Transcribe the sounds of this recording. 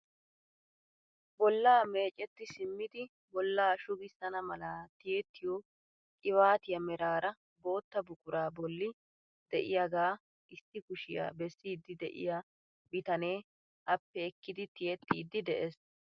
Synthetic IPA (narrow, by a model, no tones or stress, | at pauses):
bɔlːaːme̞ːt͡ʃʼɛt̪ːɪsɪmːɪd̪ɪ | bɔlːaːʃʊɡɪsɐnɐmɐlat̪ɪjet̪ːɪjo | kʼɪβaːt̪ɪjɐmɛɾaːɾɐ | bo̞ːt̪ːɐbʊkʼʊɾaːbɔlːɪ | d̪̥ɛʔɪjaɡaː | ɪsːɪkʊʃɪja̰ːbɛsːiːd̪ːɪd̪ɛʔɪ̰ja | bɪt̪ɐne̞ː | ʔɐpːɛːkːɪd̪ɪt̪ɪjɛt̪ːiːd̪ːɪd̪ɛʔes